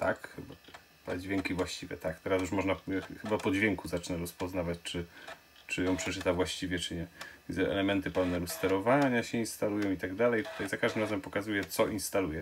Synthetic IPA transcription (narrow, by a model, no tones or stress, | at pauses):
t̪akxɘba | pa̰d͡ʑvʲjeŋkʲivwaɕt͡ɕivʲjɛ̰t̪akt̪ɛɾas̬juʂmɔʐnaxɘbapɔd͡ʑvʲjɛŋkuzat͡ʂnɛɾɔspɔznavat͡ɕt͡ʂɘ | t͡ʂɘjɔ̃w̃pʂɛt͡ʂɘt̪avwaɕt͡ɕivʲjɛt͡ʂɘɲɛzɛʔɛ̰lɛmɛnt̪ɘpawnɛɾust̪ɛɾɔvaɲaɕɛinst̪alujɔ̃w̃it̪aɡd̪alɛjt̪ut̪ajzakaʒd̪ɘmɾazɛmpɔkazujɛt̪sɔʔinst̪alujɛ